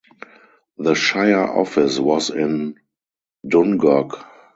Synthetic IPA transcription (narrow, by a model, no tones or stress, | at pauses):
ðəʃaɪə˞ʔɔ̰fɪswɔzɪ̃n | dʊ̃nɡɔk